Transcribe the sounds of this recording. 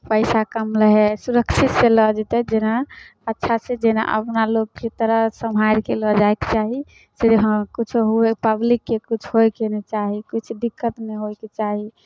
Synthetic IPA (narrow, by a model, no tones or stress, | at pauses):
pəɪsakəmləɦɛsuɾəkt͡ʃʰit̪seləd͡ʒet̪ɛd͡ʒenaətːʃʰased͡ʒena̰ʔə̰pnalok̚ːit̪əɾəsəmɦaɾkelɔd͡ʒaeket͡ʃaɦi | seɦkut͡ʃʰoɦoepəblikːekut͡ʃʰɦojkenet͡ʃaɦikit͡ʃʰd̪ikːət̪meɦojket͡ʃaɦi